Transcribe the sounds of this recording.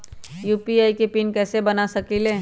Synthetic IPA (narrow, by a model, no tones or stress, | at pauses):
juːpiaːikepinkɛːsebɐnasɐkilẽː